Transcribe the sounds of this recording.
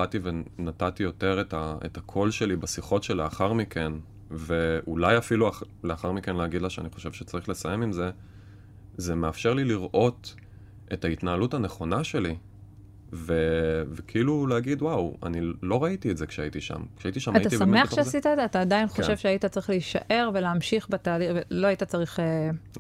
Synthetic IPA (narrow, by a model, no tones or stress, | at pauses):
ativenatatijo̞te̞ʁetaḛtakʰolʃe̞libasiχo̞tʃeleaχaʁmikʰe̞n | veʔulajafilua | leaχaʁmikenleaɡid̪laʃeaniχo̞ʃe̞vʃet͡saʁiχle̞sajemimze̞ | zemeafʃeʁliliʁʔo̞t | ʔetaitnaːlutaneχo̞naʃe̞li | vevekʰiiluleaɡidwawa̰nilo̞ʁaitietzekʃeaitiʃa̰mkʃeait̪iʃamatatatissaeaχʃeasitaedzeat̪aːdajinχoʃevʃeaitat͡saʁiχliiʃa̰ʔe̞ʁveleamʃiχbetaːliveloaitat͡saʁiχe